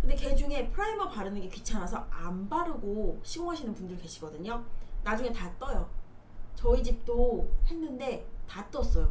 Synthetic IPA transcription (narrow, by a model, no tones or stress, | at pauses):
kɯnde̞ke̞d͡ʑuŋe̞pʰɯɾaibʌpaɾɯnɯnɡe̞kɥit͡ɕʰanasʰʌambaɾɯɡoɕʰiɡoŋɦaɕʰinɯnpundɯɾɭke̞ɕʰiɡʌdɯɲonad͡ʑuŋe̞tat͈ʌjʌ | t͡ɕʌid͡ʑip̚t͈ohe̞nːɯnde̞tat͈ʌs͈ʌjo